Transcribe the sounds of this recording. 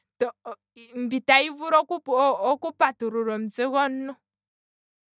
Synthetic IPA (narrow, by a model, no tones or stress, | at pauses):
tɔ | m̩bitaivuɾɔkuːkupatuɾuɾɔm̩seɣɔnːɔ